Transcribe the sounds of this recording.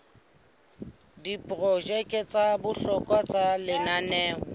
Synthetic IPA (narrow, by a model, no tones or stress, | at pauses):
dipʼrɔʒɛkʼɛt͡sʼabʊɬɔkʼwat͡sʼalɪnanɛːŋɔ